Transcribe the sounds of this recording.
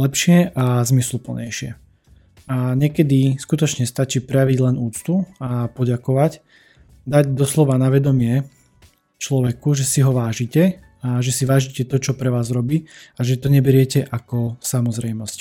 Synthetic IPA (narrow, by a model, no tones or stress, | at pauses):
lɛpʃɪɛʔazmislupl̩ɲɛ̰jʃɪɛ̰ | aɲɛkɛd̪iskut̪ɔt͡ʃɲɛst̪at͡ʃiːpɾɛjaʋiɟlɛnuːt͡st̪uapɔɟakɔʋac | d̪aɟd̪ɔslɔʋanaʋɛd̪ɔmɪɛ | t͡ʃlɔʋɛkuʒɛsiɦɔʋaːʒicɛ | aʒɛsiʋaːʒicɛt̪ɔt͡ʃɔpɾɛʋaːzɾɔbiːaʒɛt̪ɔɲɛbɛɾɪɛcɛʔakɔsamɔzɾɛjmɔsc